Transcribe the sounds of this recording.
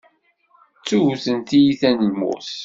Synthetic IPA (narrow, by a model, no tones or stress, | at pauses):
t͡sːuθənt̪ijiθænəmːṵθ